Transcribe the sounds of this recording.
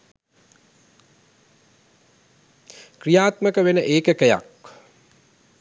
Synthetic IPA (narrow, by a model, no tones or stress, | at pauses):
krijaːt̪məkəʋenəʔeːkəkəja̰k